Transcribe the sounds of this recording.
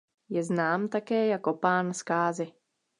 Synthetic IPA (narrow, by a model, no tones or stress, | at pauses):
jɛznaːmt̪akɛːjakopaːnskaːzɪ